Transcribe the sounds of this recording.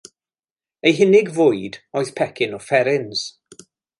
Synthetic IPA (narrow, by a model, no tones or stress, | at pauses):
ejɦɪnɪɡvʊɨdɔːɨðpʰɛkʰɪnɔfɛɾɪns